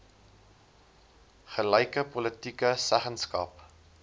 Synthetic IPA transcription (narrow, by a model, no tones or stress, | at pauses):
χəlɛjkəpɔlətikəsæχənskɐ̰p